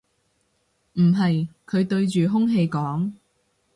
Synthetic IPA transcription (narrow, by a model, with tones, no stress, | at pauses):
m̩˨˩ɦɐ˨jkʰɵ˨˧ɥt̪ɵ˧ɥt͡ʃyː˨ɦʊ˥ŋɦe˧jkɔː˨˥ŋ